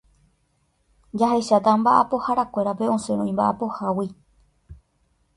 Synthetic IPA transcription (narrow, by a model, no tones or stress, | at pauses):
d͡ʒaɦe̞ʃat̪ambaʔapo̞haɾakʷe̞ɾape̞õ̞se̞ɾ̃õĩmba̰ʔapo̞hawi